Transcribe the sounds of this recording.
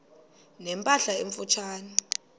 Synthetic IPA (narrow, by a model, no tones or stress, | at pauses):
nɛmpʼaɬaeɱfut͡ʃʰaːni